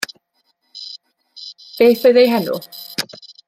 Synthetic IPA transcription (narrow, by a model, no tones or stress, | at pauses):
b̥eːθɔjðejɦɛnʊ̰